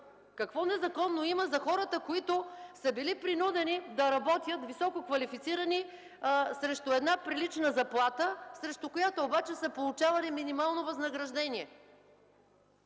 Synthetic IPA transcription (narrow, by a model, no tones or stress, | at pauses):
kɐkvɔnɛzɐkɔnːoimɐzɐxɔɾət̪əkoit̪ʊsəbilipɾinud̪ɛnid̪ɐɾɐbɔt̪jət̪visɔkokvɐlifit̪siɾɐni | sɾɛʃt̪ʊɛd̪napɾilit͡ʃnəzɐplˠat̪əsɾɛʃt̪ʊkojat̪oːbat͡ʃɛsəpolˠʊt͡ʃavɐliminimalˠnovɐznɐɡɾɐʒd̪ɛniɛ